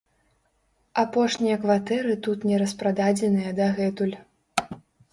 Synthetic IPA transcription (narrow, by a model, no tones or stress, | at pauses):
apɔʂnʲijɐkvat̪ɛɾɨt̪ut̪nʲɛɾɐspɾad̪ad͡zʲɛnɨjɐd̪aɣɛt̪ulʲ